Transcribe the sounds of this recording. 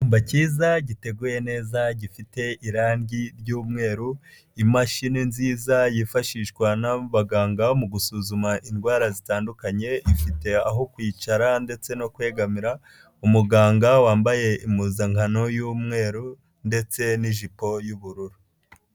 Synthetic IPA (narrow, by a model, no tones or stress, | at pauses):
uːmbaciːzaɟite̞ɡuːje̞ne̞ːzaɟifite̞iɾaːnɟiɾɟuːmŋe̞ːɾu | imaʃininziːzajifaʃiːʃkwanaβaɡaːŋɡamuɡusuzumaʔindɡwaːɾazitaːndukaɲe̞ifite̞aɦo̞kwiːt͡ʃaɾande̞t͡se̞no̞kwe̞ːɡamiɾa | umuɡaːŋɡawaːmbaje̞imuːzaŋhano̞juːmŋe̞ːɾu | nde̞t͡se̞niʒipo̞juβuɾuɾu